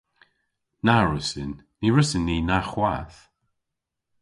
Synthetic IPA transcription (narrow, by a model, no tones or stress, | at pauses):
naɹəsɪnːiɹəsɪnːiːnaxwaθ